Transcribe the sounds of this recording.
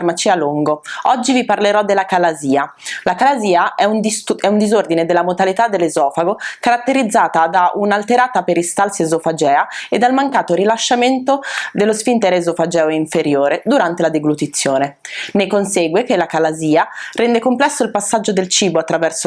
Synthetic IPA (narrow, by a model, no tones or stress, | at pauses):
rmat͡ʃialuŋɡoɔd͡ʒːiviparleɾɔd̪elːakalaziːa | lakalaziːaʔɛunɛund̪izord̪ined̪elːamot̪alit̪ad̪ːelːezɔːfaɡokaɾat̪ːeɾid̪zːaːt̪ad̪aʔunalt̪eɾaːt̪apeɾist̪alsiezofad͡ʒɛːaed̪almaŋkaːt̪oɾilaʃːament̪od̪elːospint̪ɛɾeːzofad͡ʒɛːoiɱfeɾjoːɾed̪uɾant̪elad̪eɡlut̪it̪sːjoːnenekonseɡwekelːakalaziːarɛnd̪ekomplɛsːoilpasːad͡ʒːod̪elt͡ʃiːboat̪ːɾavɛrso